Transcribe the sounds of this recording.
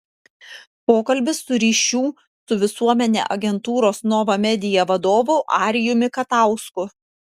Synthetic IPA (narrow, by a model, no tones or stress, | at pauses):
poːkɐlʲbʲɪsːʊɾʲiːʃʲuː | sʊʋʲɪsuɔmʲɛnʲḛːʔɐ̰ɡʲɛnt̪uːɾoːsnɔʋɐmʲɛd̪ʲɪjɛʋɐd̪oːʋʊʔɑːɾʲɪjʊmʲɪkɐt̪ɑˑʊskʊ